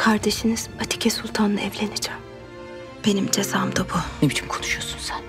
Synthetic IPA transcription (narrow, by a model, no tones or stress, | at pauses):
kʰaɾd̪e̞ʃiniz̥at̪ʰi̥cʰɛsulˠt̪ʰanɯɛvlʲenid͡ʒam | b̥e̞nimd͡ʒezaːmd̪abunebit͡ʃ̪ʰimkʰo̞nuʃujosunsæn